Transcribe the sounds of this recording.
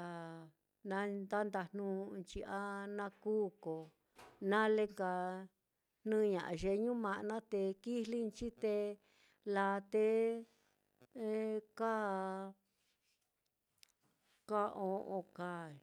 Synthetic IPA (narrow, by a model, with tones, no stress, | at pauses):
a˧ | nã˧˦nd̪a˦nd̪a˧˨n̥ũ˦˧nt͡ʃi˧a˦nã˧kuː˦ko˨ | nã˦le˦ŋka˧ | n̥nɨ̃˦ɲã̰˨ʔʒe˧ɲũ˦mã˧ʔnã˦t̪e˧ki˦li˦nt͡ʃi˦t̪e˧ | la˧t̪e˧˦ | ka˦ | ka˦ʔõ˧ʔõ˧ka˧˨